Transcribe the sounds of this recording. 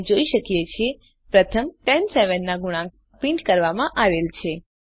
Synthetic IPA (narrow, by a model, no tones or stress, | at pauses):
d͡ʒoiʃəkjet͡ʃʰe | pɾət̪ʰəmʈɛnseʋənːaɡuɽ̃a | pĩɳʈkəɾʋamãʔaʋelt͡ʃʰe